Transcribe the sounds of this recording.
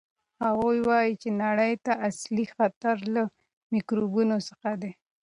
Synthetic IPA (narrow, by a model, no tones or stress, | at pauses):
haɣujwɑjit͡ʃenaɽəjt̪aʔaslixat̪aɾla | mikɾubunosəxad̪e